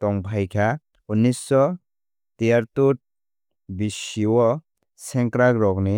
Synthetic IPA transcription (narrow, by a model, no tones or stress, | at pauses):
tɔŋpʰajkʰa | unisɔ | t̪ijaɾt̪ut̚ | bisiwɔ | sɛŋkɾakɾɔkni